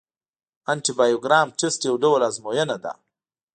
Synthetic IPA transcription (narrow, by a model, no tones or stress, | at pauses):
anʈibajoɡɾɑːmʈɪsʈjawɖowlazmojənad̪a̰